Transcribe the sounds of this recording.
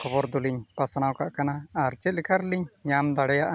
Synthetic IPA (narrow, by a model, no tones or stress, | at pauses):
kʰɔbɔɾd̪uliɲpasañawkaʔkanaːɾt͡ʃɛlikʰaɾliɲɲamd̪aɽɛjaʔa